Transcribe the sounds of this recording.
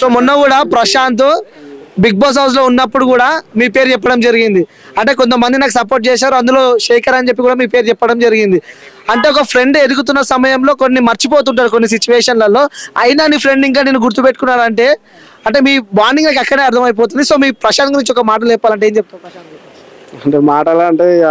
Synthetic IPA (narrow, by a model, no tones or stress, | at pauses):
so̞ːmunːɐkuːɽaːpɾɐʃaːnt̪̬obiɡ̚boːs̬ɦɐws̬lo̞ːunːɐpːuɽukuːɽaːmiːpe̞ːɾt͡ʃɛpːɐɽɐmd͡ʒɐɾiɡind̪i | ɐɳʈe̞ːk̬ont̪ɐmɐnd̪inaːkusɐp̬oːɾʈ̚t͡ʃeːʃ̬aːɾuɐnd̪ulo̞ːʃeːkɐɾɐnt͡ʃe̞p̬ːikuːɽaːmiːpe̞ːɾt͡ʃɛpːɐɽɐmd͡ʒɐɾiɡind̪i | ɐɳʈe̞ːɔkɐpʰɾe̞ɳɖe̞d̪ukut̪unːɐsɐmɐjɐmlo̞ːko̞nːimɐɾt͡ʃipo̞ːt̪̬uɳʈ̬aːɾukonːis̬it͡ʃuʋɛːʂɐnlɐlo̞ːɐjinaːnipʰɾe̞ɳɖiŋk̬aːniːnːuɡuɾt̪upeʈːu̥kunːaːɾɐɳʈe̞ː | ɐɳʈe̞ːmiːbaːɾniŋɡnaːkɛkːɐɽeːɐɾt̪ʰɐmɐjp̬oːt̪̬und̪iso̞ːmiːpɾɐʃaːd̪ɐŋɡnuɲt͡ʃiɔkɐmaːʈ̬ɐlɛːpːaːlɐɳʈeːɲt͡ʃeb̚t̪apɐʃa | ɐɳʈeːmaːʈɐlaɐɳʈeː